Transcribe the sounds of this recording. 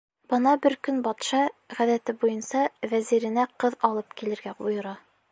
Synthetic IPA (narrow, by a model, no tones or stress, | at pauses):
bɤ̆nɑbɘɾkɵnbɒt̪ʃɑʁæðæt̪ɘbujɤnsɑvæziɾɘ̆næqɤðɒlˠɤpkilɘ̆ɾɡæʔujɤ̆ɾɑ